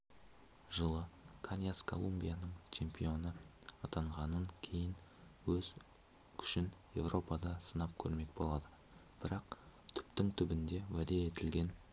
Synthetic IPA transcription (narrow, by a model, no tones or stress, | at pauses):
ʒəlˠəkʰanjaskʰo̞̰lˠumbʲijanəɴt͡ʃʰe̞mpʲio̞nəɑt̪ɑɴʁɑnəŋkʲʰe̞jɪnwɵz | kʲʰʏ̥ʃɪnje̞̰vrʔo̞pɑd̪ɑsənɑp̚kʲʰɵ̰ɾme̞kbo̞lˠɑd̪ə | b̥ɪɾɑqt̪ʰʏ̥pt̪ɪŋt̪ʰʏbɪnd̪e̞wæd̪e̞et̪ɪlɡʲe̞n